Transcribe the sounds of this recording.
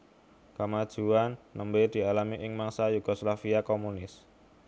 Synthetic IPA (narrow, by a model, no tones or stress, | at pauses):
kəmad̥ʒ̥ṳanːəmbed̪̥i̤alamiʔɪŋmaŋsajuɡ̥ɔslafiakomunɪs